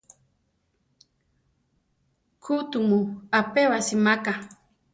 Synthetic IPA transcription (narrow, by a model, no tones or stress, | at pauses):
kʰut̪umuapewasimaka